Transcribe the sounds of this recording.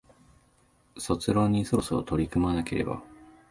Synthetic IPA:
so̞t͡sɨɾo̞ɲ̟ːiso̞ɾo̞soːt̪o̞ɾʲikɯ̟manake̞ɾe̞̰ba̰

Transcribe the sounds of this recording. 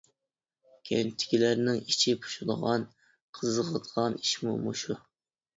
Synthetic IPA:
kʲʰent̪ʰɪ̥kʲilæɾnɪŋit͡ʃʰipʰu̥ʃud̪əʁɑn | qʰəzəʁəd̪əʁɑniʃmṵmuʃu

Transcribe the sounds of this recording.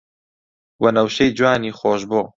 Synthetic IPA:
wɐnɐwʃejd͡ʒwaːniːxoːʃboː

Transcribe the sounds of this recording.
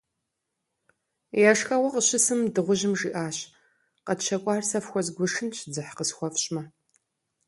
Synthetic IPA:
jaʂxɐʁʷɔqəɕɪsɨmdɨʁʷʊʑɪmʐiʔaːɕ | qɐtʃɐkʷʼɑːrsɐfxʷɔzɡʷʊʂɨnɕʰd͡zɨħqəsxʷɔfɕʼmɐ

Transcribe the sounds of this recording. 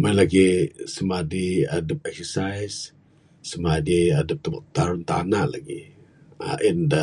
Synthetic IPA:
majlaɡisəmadiadəp̚ɛk̚səsajsː | əmadiadəp̚t̪əba̰ʔ̚t̪aɾʊnt̪a̰naʔla̰ɡḭ | a̰ʔinda

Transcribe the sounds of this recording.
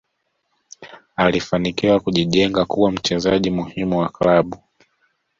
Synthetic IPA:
alifanikiwakuʄiʄɛŋɡakuwam̩t͡ʃɛzaʄimuhimuwaklaɓu

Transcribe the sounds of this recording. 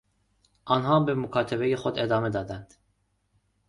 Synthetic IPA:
ɑnɦɑːmbemukʰɑːt̪ʰɛbɛjexod̪ed̪ɑːmɛd̪ɑːd̪ænd̪̥

